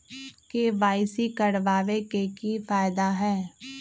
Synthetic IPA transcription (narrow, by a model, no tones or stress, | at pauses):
keʋaːɪsikɐɽʋaːʋekekifaːɪd̪aɦɛː